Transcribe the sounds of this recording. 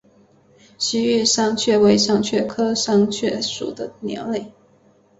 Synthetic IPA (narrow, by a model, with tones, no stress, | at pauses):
ɕi˧˥y˥˧ʂɑ˥ŋt͡ɕʰɥɛ˥˩we˧˥ɪʂɑ˥˧ŋt͡ɕʰɥɛ˥˩kʰɤ˥ʂɑ˥ŋt͡ɕʰɥɛ˥˩ʂṵ˨˩d̪ə˦njɔ̰˧˥le˥˩ɪ